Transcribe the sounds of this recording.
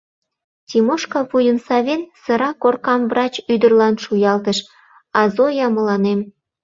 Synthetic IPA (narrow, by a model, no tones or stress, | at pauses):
tʲimoʃkɑβujənsɑβʲensɤ̆ɾɑkorkɑmvrɑt͡ɕyd̪ə̆rlɑnʃujɑlt̪əʃ | ɑzojɑmə̆lɑnem